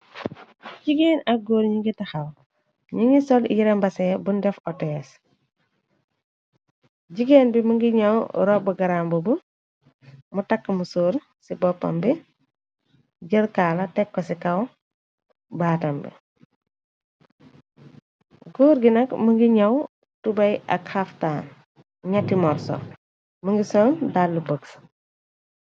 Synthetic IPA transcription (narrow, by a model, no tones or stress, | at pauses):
ɟiɡeːnɐk̚ɡoːɾɲiŋɡitɐxɐw | ɲiŋɡisɔl̰jiɾɛmbɐsɛbundɛfɔtɛɛs | ɟiɡeːnbimuŋɡiɲɐwɾɔbuɡɐɾambubu | mutɐkːəmusoːɾ | sibɔpːɐ̰mbi | ɟəlkaːlɐtɛkːɔsikɐw | baːtɐmbḭ | ɡuːɾɡinɐkmuŋɡiɲɐw | tubɐjɐ̰kxaftaːn | ɲɐtːimɔrsɔ̰ | məŋɡisoːŋdalːubəks